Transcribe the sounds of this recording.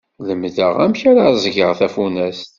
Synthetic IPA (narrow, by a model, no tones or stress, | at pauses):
ləmðəʁæmçaɾazɡəʁθæfunæst̪